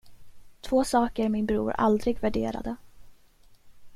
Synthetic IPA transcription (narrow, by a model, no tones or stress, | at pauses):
t̪ʰv̥oːsɑːkəɾmɪnbɾṵːɾa̰ld̪ɾɪɡvæɖeːɾa̰d̪ə